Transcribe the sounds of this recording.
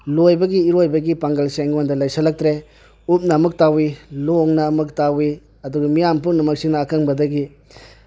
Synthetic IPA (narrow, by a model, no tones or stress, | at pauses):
lojbɐɡiːɾojbɐɡipaŋɡɐlseŋondɐlajsɐlɐk̚tɾe | up̚nɐːmɯk̚tawiloŋnɐːmɯk̚tawi | ɐduɡɐmijampuŋnɐmɐk̚sinɐːkʰaŋbɐdɐɡi